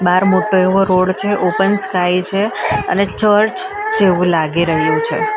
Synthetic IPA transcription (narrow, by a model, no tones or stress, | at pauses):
baɾmoʈoeʋoɾoɽt͡ʃʰeʔopənskajt͡ʃʰeə̰net͡ʃəɾt͡ʃ | d͡ʒeʋũlaɡiɾəɦjũt͡ʃʰḛ